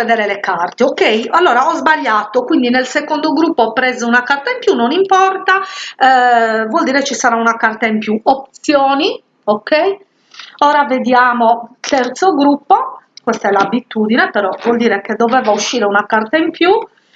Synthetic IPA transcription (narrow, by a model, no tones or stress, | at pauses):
ved̪ɛːɾelekart̪eokːejalːɔːɾaɔzbaʎːaːt̪okwind̪inelsekond̪oɡɾupːoɔpːɾɛzounakart̪aimpjunːonimpɔrt̪a | vwɔld̪iːɾet͡ʃisaɾaunakart̪aimpjuop̚t̪sjoːni | okei | ɔːɾaved̪jaːmot̪ɛrt̪soɡɾupːokwɛst̪aɛlabit̪uːd̪inepɛɾɔvwɔld̪iːɾeked̪ɔvɛːvauʃːiːɾeunakart̪aimpju